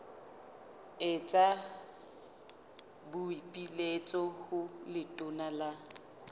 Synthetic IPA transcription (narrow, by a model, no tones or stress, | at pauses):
ɪt͡sʼa | bʊipʼilet͡sʼɔhʊlɪtʼʊnala